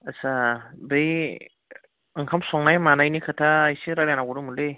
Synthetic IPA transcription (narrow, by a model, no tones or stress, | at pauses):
asabɯj | ɯŋkʰamsɔŋnajmanajnikʰɯtʰaːjsiɾaɾjanaɡuɾumulɯj